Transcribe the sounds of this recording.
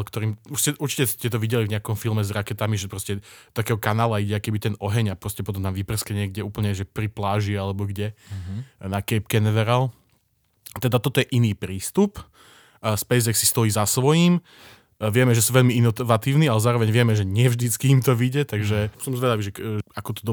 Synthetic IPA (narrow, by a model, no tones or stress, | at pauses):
lkt̪ɔɾiːmuʃscɛʔuɾt͡ʃicɛscɛt̪̬ɔʋiɟɛlivɲɛakɔmfilˠmɛzɾakɛt̪amiʒɛpɾɔscɛɔt̪akɛːɦɔkanaːlaiɟɛakɛbit̪ɛnɔɦɛɲapɾɔscɛpɔt̪̬ɔmt̪amʋipr̩skɛɲɪɛɡɟɛuːpl̩ɲɛʒɛpɾiplaːʒialɛbɔɡɟɛ | nakɛpkɛnɛʋɛɾal | t̪ɛd̪at̪ɔt̪ɔjɛʔiniːpɾiːst̪upː | spɛjzɛksi̥st̪ɔjiːzasʋɔjim | ʋɪɛmɛʒɛsuːʋɛʎmiinɔʋat̪iːʊnialɛzaːɾɔʋɛɲʋɪɛmɛʒɛɲɪɛvʒd̪it͡skiːmt̪ɔʋiɟɛt̪aɡʒɛsɔmzʋɛd̪aʋiʒɛakɔt̪ɔd̪ɔ